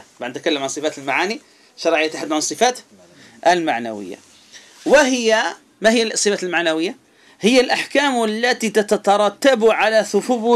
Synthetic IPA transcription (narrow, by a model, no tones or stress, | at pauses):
baʕnɪt̪̚kalːamʕansˤɨfaːt̪ɪlmaʕaːni | ʃɑɾˤʕɪjːat̪ːaħad̪ːʕansˤːɨfaːt̪ | ʔɪlmaʕna̰wɪ̰jːa̰ | wɪɦɪjːa | mahɪjːalsˤɨfaːt̪lmaʕnawɪjːa | hɪjːalʔaħkaːmalːat̪it̪at̪at̪ɑɾˤɑt̪ːabʕalaθʊfʊbu